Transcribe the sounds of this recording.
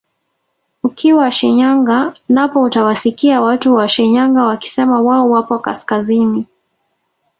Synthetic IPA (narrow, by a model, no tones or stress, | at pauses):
ukiwaʃɛɲaŋɡanapɔutawasikiawatuwaʃɛɲaŋɡawaki̥sɛmawaɔwapɔka̰skazini